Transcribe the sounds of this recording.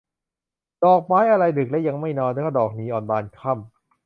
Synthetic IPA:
dɔː˨˩k̚maː˦˥jʔa˧ɾa˧jdɯ˨˩k̚lɛ˦˥wja˧ŋma˥˩jnɔː˧nt̪ːkʰa˥˩dɔː˨˩k̚niː˦˥ʔɔː˨˩nbaː˧nkʰa˥˩m

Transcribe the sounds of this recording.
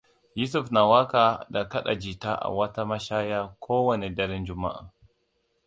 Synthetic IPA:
ju˦s̬u˦fna˨wa˦ka˨da˨ka˦ɗa̰˨d͡ʒi˨ta˦ʔa̰˨wa˦ta˦ma˦ʃaː˦ja˦kʰoː˦wɔ˦ni˨dɐ˦ɾɛ˦nd͡ʒʊ˨ma̰˦ʔa̰˨

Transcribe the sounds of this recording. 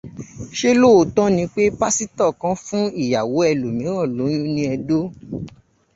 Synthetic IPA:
ʃe˦lo˦˨o˨tɔ̃˦nĩ˧k͡pe˦pa˦si˦tɔ˦˨kã˧fũ˦i˦˨ja˨wo˨˦ɛ˧lo˨mĩ˨˦w̃ɔ̃˦˨lo˨˦j̃ũ˦nĩ˧ɛ˧do˦

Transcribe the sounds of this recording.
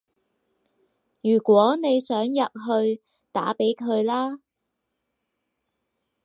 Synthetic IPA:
jyː˨˩kwɔː˨˥ne˨˧jsœː˨˥ŋjɐ˨t̚ɦɵ˧ɥ | t̪a̰ː˨˥pe˨˥jkʰɵ˨˧ɥlaː˥

